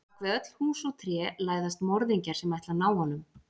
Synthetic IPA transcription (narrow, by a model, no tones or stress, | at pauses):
kvɛœt̪l̥huːsɔt̪ʰɾjɛlaːjðast̪mɔɾðiɲcaɾ̥sɛmajht̪lanaːwhɔnːʏm